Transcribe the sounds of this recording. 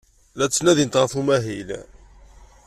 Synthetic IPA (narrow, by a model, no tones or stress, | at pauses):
læt͡sːnæðint̪ʁəθumæɦil